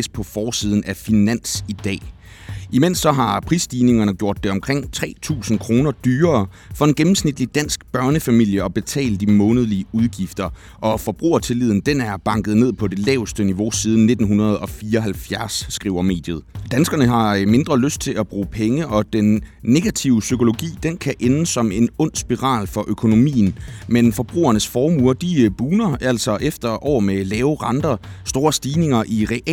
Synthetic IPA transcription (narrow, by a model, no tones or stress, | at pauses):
spʰɒ̽fɒːsiːð̞ˠn̩æfinæn̰sid̥ɛ̰ː | ʔimen̰sːɒ̽ɦɑ̈pʰʁisd̥ine̝ŋɐnəɡ̥jo̝ɐ̰d̥ːe̝ɒ̽mkʰʁeŋ̰t͡sʰʁɛ̰ːt͡sʰṵːsn̩kʰʁo̝ːnɐd̥yːɐː | fɒ̽d̥enɡ̥emm̩snid̥lid̥æn̰sɡ̥b̥ɶɐnəfæmil̰jəɒ̽b̥e̝t͡sʰɛ̰ːld̥d̥imɔ̽ːnəð̞̩ˠliəuð̞ˠɡ̥ifd̥ɐ | ʔɒ̽fɒ̽b̥ʁṵːɐt͡sʰe̝lið̰ˠn̩d̥enæɐb̥ɑ̈ŋɡ̥ð̩ˠne̝ð̰ˠpʰɒ̽d̥e̝lɛ̰ːʊsd̥əniʋo̝siːð̞ˠn̩ːe̝d̥n̩ɦunɐð̞̩ˠɒ̽fiːɒɦælfjæɐsːɡ̥ʁḭːʊɐme̝̰ːd̥jəð̞̩ˠd̥ænsɡ̥ɐnəɦɑ̈me̝nd̥ʁɐløsd̥̚t͡sʰe̝læb̥ʁṵːpʰeŋəʔɒ̽d̥enːe̝ɡ̥æt͡sʰiʊsykʰo̝lo̝ɡ̥ḭːd̥enkʰæʔenəsɒ̽me̝nɔ̽n̰sb̥iʁɑ̰̈ːlfɒ̽ʔøkʰo̝no̝mḭːn̩menfɒ̽b̥ʁṵːɐnəsfɒːmuɐ̰d̥ib̥uːnɐʔæl̰sɒ̽ʔefd̥ɐʔɒʊ̰melɛːʊʁɑ̈nd̥ɐsd̥o̝ːɐsd̥iːne̝ŋɐʔiʁɛʔ